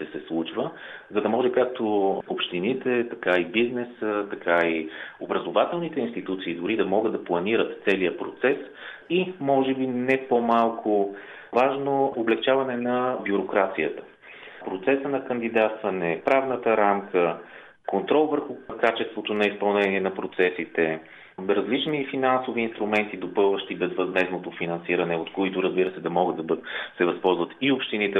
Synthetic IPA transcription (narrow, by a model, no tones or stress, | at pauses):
t̪ɛsɛslˠut͡ʃvəzɐd̪ɐmɔʒɛkak̚t̪oopʃt̪init̪ɛt̪ɐkaibiznɛsət̪ɐkʰaiobɾəzovat̪ɛlˠnit̪ɛinst̪it̪ut̪siːd̪ʊɾid̪ɐmɔɡəd̪d̪ɐplˠɐniɾət̪t̪sɛlijəpɾot̪sɛsimɔʒɛbinɛpomalˠkʰʊ | vaʒnooblɛkt͡ʃavɐnɛnɐbʲjuɾokɾat̪sijət̪ə̥ | pɾot̪sɛsənɐkənd̪id̪at̪st̪vɐnɛpɾavnət̪əɾamkə | kont̪ɾɔlˠvəɾxʊkat͡ʃɛst̪vot̪onɐispɐlˠnɛniɛnɐpɾot̪sɛsit̪ɛ | ɾɐzlit͡ʃnifinansoviːnst̪ɾumɛnt̪id̪opɤlˠvəʃt̪ibɛzvɐzmɛznot̪ofinɐnsiɾɐnɛot̪koit̪ʊɾəzbiɾəsɛd̪ɐmɔɡəd̪ɐsɛvɐspɔlˠzvət̪iopʃt̪init̪ɛ